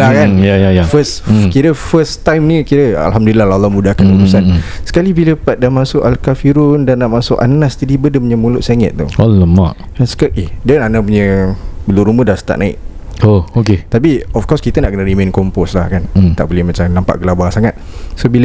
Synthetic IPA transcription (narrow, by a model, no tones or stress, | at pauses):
lakajajajafəskiɾəfəst̪ajmnĩkiɾəa̰lɦamdulilalalːɔmudakanuɾusansə̥kalibiləpat̪̚damãsʊʔalkafiɾʊndanːaʔmasʊʔanasd͡ʒadibədəpuɲəmulʊʔsaŋə̰t̪̚t̪ːṵaləma̰ʔ | kansə̥kaʔɛhdənanapuɲəbəluɾumədasə̥t̪a̰ʔnʔaɪ̰k̚ooket̪ap̬iɔfkɔskit̪ənaʔkənəɾimẽnkɔmpɔslahkant̪aʔbolɪhmat͡ʃamnampa̰ʔɡəlabaaŋsaŋat̪̚sobilə